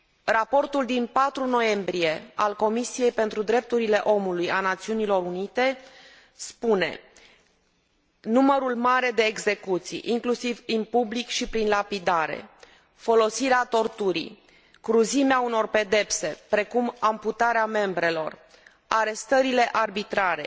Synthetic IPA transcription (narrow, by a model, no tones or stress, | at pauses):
rapo̞rt̪uld̪inpat̪ɾuno̞je̞mbɾije̞a̰lko̞misije̞jpe̞nt̪ɾud̪ɾe̞p̚t̪uɾile̞ʔo̞mulujanat̪siunilo̞ɾunit̪e̞ | spune̞ | numəɾulmaɾe̞d̪e̞ːɡze̞kut̪sḭjʔiŋklusivinpublikʃipɾinlapid̪aɾe̞̰ | fo̞lo̞siɾeat̪o̞rt̪uɾḭ | kɾuzimeauno̞rpe̞d̪e̞pse̞pɾe̞kumamput̪aɾeame̞mbɾe̞lo̞r | aɾe̞st̪əɾile̞ʔarbit̪ɾaɾe̞